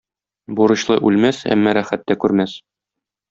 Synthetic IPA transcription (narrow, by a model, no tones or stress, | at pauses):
buɾɤ̆ɕlˠɤʔʉlmæsæ̰mːɒɾæχæt̪ːækʉɾmæs